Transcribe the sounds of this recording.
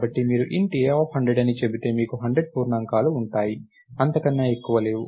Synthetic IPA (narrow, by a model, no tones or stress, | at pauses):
bɐʈːimiːɾuʔiɳʈieːophɐɳɖɾeɖɐnit͡ʃe̞bit̪e̞ːmiːkuɦɐɳɖɾeɖ̚puːɾnɐŋkaːluːɳʈaːji | ɐnt̪ɐkɐnːaːekːuʋɐle̞ːwu